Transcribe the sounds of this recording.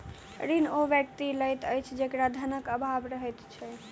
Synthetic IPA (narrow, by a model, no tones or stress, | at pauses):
ɾinoʋjək̚t̪iləjt̪əjt͡ʃʰd͡ʒekɾad̪ʱənəkəbʱabɾəɦəjt̪t͡ʃʰɛ